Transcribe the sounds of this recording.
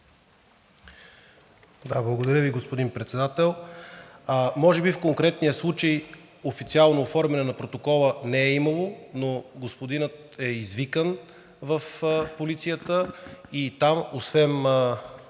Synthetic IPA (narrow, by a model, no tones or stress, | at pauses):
d̪ablˠəɡod̪ɐɾʲjəviɡospod̪inpɾɛt̪sɛd̪at̪ɛlˠ | mɔʒɛbifkoŋkɾɛt̪nijəslˠut͡ʃəj | ofit̪sialˠnoːfɔɾmɛnɛnɐpɾot̪okɔlˠənɛɛiməlˠonoɡospod̪inət̪ | ɛizvikən | vəfpolit̪sijət̪əit̪amosvɛm